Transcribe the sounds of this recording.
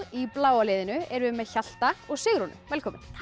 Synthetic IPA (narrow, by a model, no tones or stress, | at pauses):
iplaːwalɪːðɪnʏɛɾvɪðmɛðçal̥t̪aɔɣsɪɣɾɔnʏ̰vɛlkʰɔːmɪn